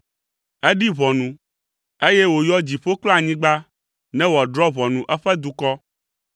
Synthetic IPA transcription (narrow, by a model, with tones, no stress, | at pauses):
ɛ˦ɖi˦βɔ˨nũ˨ | e˦jɛ˦wo˨jɔ˦d͡ʑi˨ɸo˦klɔ˦a˨ɲĩ˦ɡ͡ba˦ | nɛ̃˦wa˨ɖɾɔ˦βɔ˨nũ˨ʔɛ˦ɸɛ˦d̪u˦kɔ˦